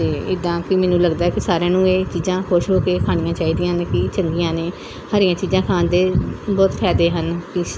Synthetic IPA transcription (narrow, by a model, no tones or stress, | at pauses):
t̪eːɪd̪ãːkɪmɛ̃ːnũːləɡd̪aːɛkɪsaːɾjãːnũːeːt͡ʃiːzãːkʰʊʃɦoːkeːkʰaːnĩjãːt͡ʃaːiːd̪ijãːnkɪt͡ʃəŋɡijãːneː | haːɾɪjãːt͡ʃiːzãːkʰaːnd̪eːbɔːt̪kʰɛːd̪eːɦənkɪ